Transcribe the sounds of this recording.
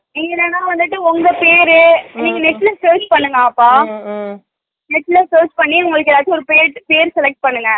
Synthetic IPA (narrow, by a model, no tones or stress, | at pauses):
ɛŋɡɐnɐnãːʋɐnd̪ɯʈːɯɔŋɡɐpeːɾɯniːŋɡɐnɛʈːlɐsoːt͡ʃpɐɳːɯŋɡɐapːaː | nɛʈːlɐsoːd͡ʒpɐɳːiʊŋɡɐɭɯkːɛlaːðt̪ɯɔɾɯpeːɾpeːɾsɛlɛk̚ʈ̚pɐɳːɯŋɡɐ